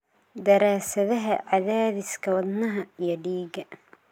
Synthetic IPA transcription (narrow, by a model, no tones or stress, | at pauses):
d̪ɐɾaːsɐðɐɦɐʕɑðaːðɪskʰɐwɐd̪nɐɦɐijɞɖiːɡɐ